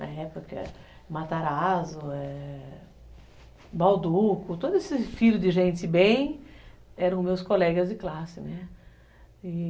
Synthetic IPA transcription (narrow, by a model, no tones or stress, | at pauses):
ɐ̰ɛpokɐ̰ | mat̪aɾazʊɛ | bawd̪ukʊt̪od̪ʊesɪfiʎʊd̪ɪʒẽnt̪ɪbẽj̃ | ɛɾɐ̃w̃mewskolɛɡɐzd̪ɪklasɪnɛ | ɪ